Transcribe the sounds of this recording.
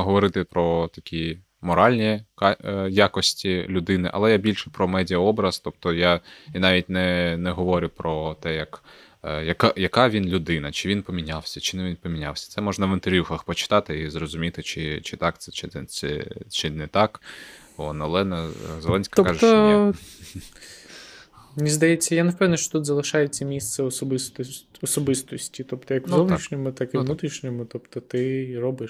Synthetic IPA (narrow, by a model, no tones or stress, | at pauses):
ɦɔʋɔɾɪt̪ɪpɾɔt̪ɐkʲi | mɔɾɑlʲnʲikɑjakɔsʲtʲilʲʊd̪ɪnɪʔɐ̰lˠɛjabʲilʲʃɛpɾɔmɛdʲɪɐɔbɾɐz̥t̪ɔp̚t̪ɔjainɑʋʲit̚ʲnɛnɛɦɔʋɔɾʲʊpɾɔt̪ɛjɐk | jɐkajɐkɑʋʲinlʲʊd̪ɪnɐt͡ʃɪʋʲinpɔmʲinʲawsʲɐt͡ʃɪnɛʋʲinpɔmʲinʲa̰wsʲɐ̥tsɛmɔʒnɐʋɪnt̪erʋʲjuxɐxpɔt͡ʃɪ̥t̪ɑt̪ɪizrɔzʊmʲit̪ɪt͡ʃɪt͡ʃɪt̪ɑkt̪sɛt͡ʃɪɛɛ̰t͡ʃɪnɛt̪ɑk | ɔnɐlˠɛnɐzelˠɛnʲsʲkɐt̪ɔkaʒɔ | nʲizd̪ɐjɛt͡sʲːɐjanɐwpɛwnɐʃt͡ʃɔ̥t̪ut̪zɐlˠɪʃɑjɛt͡sʲːɐmʲist̪sɛɔsɔbɪst̪ɔ | ɔsɔbɪst̪ɔsʲtʲit̪ɔpt̪ɔjɐkzɔʋniʃnʲɔmʊt̪akɪnut̪ɾʲiʃnʲɔmʊt̪ɔpt̪ɔt̪ɪrɔbɪʃ